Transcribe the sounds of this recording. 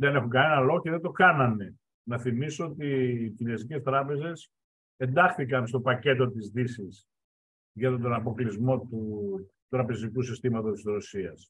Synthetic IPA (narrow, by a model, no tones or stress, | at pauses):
ðenexuŋɡɐnenɐlo̞ɣoceðed̪o̞kɐnɐne̞ | nɐθimisoot̪iːciɾiɐsice̞st̪ɾɐpe̞ze̞s | e̞nd̪ɐxθikɐnst̪o̞pɐce̞t̪o̞t̪izðisis | ʝɐt̪t̪o̞nɐpo̞klizmo̞t̪u | t̪ɾɐpe̞zikusist̪imɐt̪ost̪izɾo̞siɐs